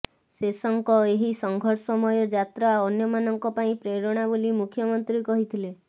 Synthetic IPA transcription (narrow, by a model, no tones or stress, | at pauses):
sesɔŋkɔeɦisɔŋɡʱɔɾsɔmɔjɔd͡ʒat̪ɾaɔnjɔmanɔŋkɔpaĩpɾeɾɔɽ̃abolimukʰjɔmɔnt̪ɾikɔɦit̪ʰile